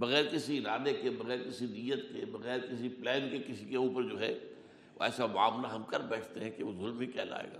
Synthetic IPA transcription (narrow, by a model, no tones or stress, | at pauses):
bɐɣɛːɾkɪsiɪnaːd̪ekebɐɣɛːɾkɪsinijət̪kebɐɣɛːɾkɪsiplɛːnkekɪsikeuːpəɾd͡ʒoːɦɛ | ʋo̰ɛ̰ːsaʋa̰ːmlaɦɐmkɐɾbɛːʈʰt̪eɦɛ̃keʋozʊlmikjɛ̰ːla̰ːḛːɡa̰ː